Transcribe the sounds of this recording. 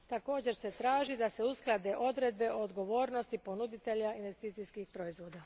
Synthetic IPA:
t̪ako̞ːd͡ʑe̞ɾse̞t̪ɾaːʒid̪aseusklˠad̪e̞ʔo̞d̪ɾed̪̚be̞ʔood̪ɡo̞ʋo̞ːɾnost̪ipo̞nud̪it̪e̞ʎainʋe̞st̪iːt̪sijskixpɾo̞izʋo̞ːd̪a

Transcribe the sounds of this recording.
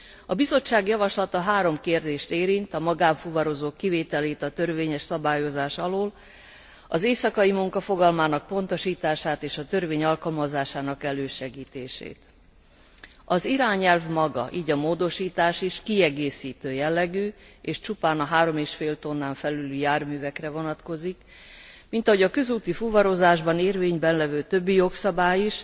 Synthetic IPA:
ɒbizo̞t͡ʃːaːɡjɒvɒʃlɒt̪ɒɦaːɾo̞mkeːrd̪eːʃt̪eːɾint̪ɒmɒɡaːɱfuvɒɾo̞zoːkːiveːt̪ɛleːt̪ɒt̪ø̞rveːɲɛʃsɒbaːjo̞zaːʃɒloːl | ɒzeːsɒkɒimuŋkɒfo̞ɡɒlmaːnɒk̚po̞nt̪o̞ʃiːt̪aːʃaːt̪eːʃɒt̪ø̞rveːɲɒlkɒlmɒzaːʃaːnɒkɛløːʃɛɡiːt̪ḛːʃḛːt̪ | ɒziɾaːɲɛlvmɒɡɒ̰ʔiːɟɒmoːd̪o̞ʃiːt̪aːʃiʃkiɛɡeːsiːt̪øːjɛlːɛɡyːeːʃt͡ʃupaːnɒɦaːɾo̞meːʃfeːlt̪o̞nːaːɱfɛlylyjaːrmyːvɛkrɛvo̞nɒt̪ko̞zik | mint̪ɒɦo̞ɟɒkø̞zuːt̪ifuvɒɾo̞zaːʒbɒneːrveːɲbɛnlɛvøːt̪ø̞bːijo̞ksɒbaːjiʃ

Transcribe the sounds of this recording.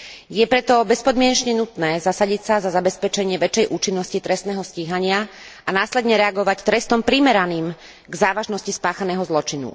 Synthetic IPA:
jɛpɾɛt̪ɔbɛspɔd̪mɪɛɲɛt͡ʃɲɛnut̪nɛːzasaɟicsazazabɛspɛt͡ʃɛɲɪɛʋɛt͡ʃːɛjʔuːt͡ʃinːɔscit̪ɾɛst̪nɛːɦɔsciːɦaɲɪa | ʔanaːslɛd̪ɲɛɾɛaɡɔʋact̪ɾɛst̪ɔmpɾimɛɾaniːm | ɡzaːʋaʒnɔscispaːxanɛːɦɔzlɔt͡ʃinṵ

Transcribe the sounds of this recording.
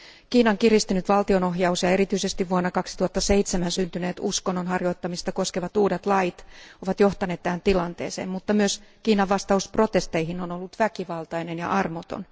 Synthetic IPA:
kiːnɑŋkirist̪ynyt̪ʋɑlt̪io̞noɦjɑusjɑe̞ɾit̪yisest̪iʋʋuonːɑkɑksit̪uhɑt̪ːɑse̞it̪semænsynt̪yneːt̪uskonːonɦɑrjo̞it̪ːɑmist̪ɑko̞skeʋɑt̪uːdet̪lɑjt̪oʋɑt̪joht̪ɑnet̪ːæhænt̪ilɑnt̪eːsḛːmmut̪ːɑmyøskiːnɑʋːɑst̪ɑuspro̞t̪e̞st̪eihino̞nolːut̪ʋækiʋɑlt̪ɑjnenjɑ̰ʔɑrmot̪o̰n

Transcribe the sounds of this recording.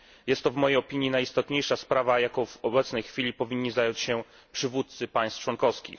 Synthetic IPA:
jɛst̪ːɔvmɔjejɔpʲiɲinajist̪ɔt̪ɲejʂaspɾavajakɔvɔbɛt̪snɛjxfʲilʲipɔvʲiɲːizajɔɲt͡ɕɕɛ | pʂɘvut̪t̪sɘpaj̃st̪t͡ʂwɔnkɔfskʲḭx

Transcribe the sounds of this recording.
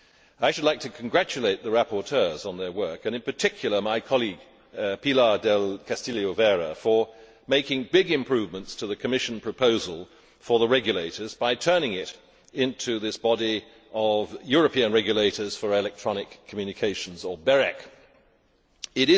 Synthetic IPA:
aɪʃɨdˡlaɪk̚tʰɨkʰn̩ɡɹæt͡ʃɨleɪt̪̚ðɨɹæpə˞tʰɜ˞zn̩ðə˞wɜ˞kɨ̃ñɨ̃npə˞tʰɪkʰjl̩ˠə˞maɪkʰɑlˠiɡ | pʰilɑɹdɛlˠkʰæstilˠioʊvɛɹəfə˞ | meɪkɪ̃ŋbɪɡɨ̃mpʰɹ̥ʉvmə̃ntstʰɨðɨkʰɨmɪʃnpʰɹ̥ɨpʰoʊzəlˠ | fə˞ðəɹɛɡjɨleɪɾə˞zbaɪtʰɜ̃˞nɪ̃ŋɪɾ | ɪ̃ntʰʉðɪsb̥ɑɾi | ʔʌvjʊɹɨpʰĩɨ̃nɹɛɡjɨleɪɾə˞z̥fə˞ɪlɛk̚tʰɹ̥ɑnɨkʰːəmjʉnɨkʰeɪʃn̩zə˞bɛɹɛk | ɪɾɪ

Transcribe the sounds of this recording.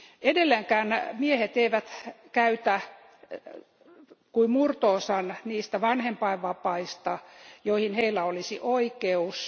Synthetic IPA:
edelːeŋkæːnmiehet̪eiʋæt̪kæyt̪æ | kuimurt̪oːsɑnniːst̪æʋɑnhempɑiʋʋɑpɑist̪ɑjoihinheilːæolisiʔoikeus

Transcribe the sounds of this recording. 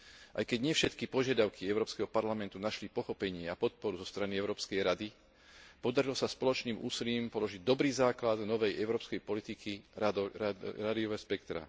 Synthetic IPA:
ʔa̰jkɛɟɲɪɛfʃɛt̪kipɔʒɪad̪aʊkʰiɛʊɾɔːpskɛɦɔpaɾlamɛnt̪unaʃlipɔxɔpɛɲɪɛapɔt̪̚pɔɾuzɔst̪ɾaniɛʊɾɔːpskɛjɾad̪i | pɔd̪aɾilɔsaspɔlɔt͡ʃniːmʔṵːsiliːmpɔlɔʒiɟ̚d̪ɔbɾiːzaːklad̪nɔʋɛjɛʊɾɔːpskɛjpɔlit̪iki | ɾad̪iɔʋɛspɛkt̪ɾa̰

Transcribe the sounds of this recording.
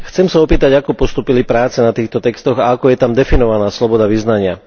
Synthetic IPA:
xt͡sɛmsaɔpiːt̪aɟakɔpɔst̪uːpilipɾaːt͡sɛnat̪iːxt̪ɔt̪ɛkst̪ɔɣaakɔjɛt̪amd̪ɛfinɔʋanaːslɔbɔd̪aʋiznaɲɪa

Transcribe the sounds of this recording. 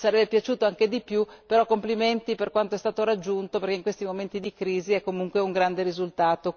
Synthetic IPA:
saɾɛbːepjat͡ʃuːt̪oaŋked̪ipjupeɾɔkːompliment̪iperkwant̪oɛst̪aːt̪oɾad͡ʒːunt̪opeɾrkeiŋkwest̪imoment̪id̪ikɾiːziɛkːomuŋkweuŋɡɾand̪eɾizult̪aːt̪o

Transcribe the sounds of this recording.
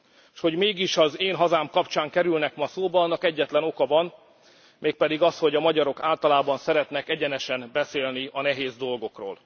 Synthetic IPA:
ʃho̞ɟmeːɡiʃɒzeːnɦɒzaːmkɒpt͡ʃaːŋkɛɾylnɛkmɒsoːbɒɒnːɒkɛɟːɛt̪lɛno̞kɒvɒn | meːk̚pɛd̪iɡɒsho̞ɟɒmɒɟɒɾo̞kaːlt̪ɒlaːbɒnsɛɾɛt̪nɛkɛɟɛnɛʃɛmbɛseːlniɒnɛɦeːzd̪o̞lɡo̞kro̰ːl

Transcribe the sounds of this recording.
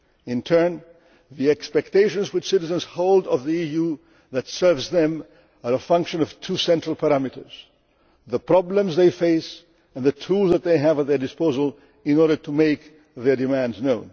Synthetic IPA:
ɪ̃ntʰɜ̃˞n | ðiɛkspɛk̚tʰeɪʃə̃nzwɨt͡ʃsɪɾɨzə̃nz̥hoʊlˠdʌvðiiju | ðɨtsɜ˞vzðɨ̃m | ə˞əfʌ̃ŋkʃɨ̃nʌv̥tʰusɛ̃ntɹ̥əl̩ˠpʰəɹæmɨɾə̰˞z̥ | ðəpʰɹ̥ɑblə̃mzðeɪfeɪs | ə̃nðɨtʰulˠzðət̪̚ðeɪɨvət̪̚ðə˞dɨspoʊzəl̩ˠ | ɪ̃nɔɹɾə˞tʰumeɪk | ðə˞dɨmæ̃ndznõʊ̃n

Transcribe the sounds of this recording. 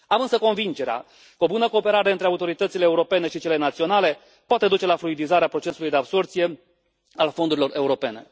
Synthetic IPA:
amɨnsəko̞nvind͡ʒe̞ɾea̰ | kəo̞bunəko̞ːpe̞ɾaɾe̞ɨnt̪ɾe̞aut̪o̞ɾit̪ət̪sile̞ːuɾo̞pe̞ne̞ʃit͡ʃe̞le̞nat̪sio̞nale̞ | poat̪e̞d̪ut͡ʃe̞lafluid̪izaɾeapɾo̞t͡ʃe̞sulujd̪e̞abso̞rt̪sije̞ | alfo̞nd̪uɾilo̞re̞uɾo̞pe̞ne̞̰

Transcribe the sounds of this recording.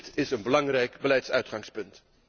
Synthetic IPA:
tɪsənbəlɑŋrɛjkbəlɛjtsœɥtχɑŋspɵnt

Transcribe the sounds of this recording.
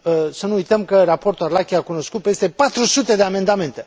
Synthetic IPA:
sənuujt̪əmkərapo̞rt̪uarlakʲiakuno̞skut̪̚pe̞st̪e̞pat̪ɾusut̪e̞d̪e̞ame̞nd̪ame̞nt̪e̞

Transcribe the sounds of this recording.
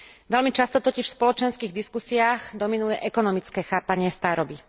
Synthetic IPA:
ʋɛlmit͡ʃast̪ɔt̪ɔciʃspɔlɔt͡ʃɛnskiːɣd̪iskusiaːxd̪ɔminujɛʔɛkɔnɔmit͡skɛːxaːpaɲɪɛst̪aːɾɔbi

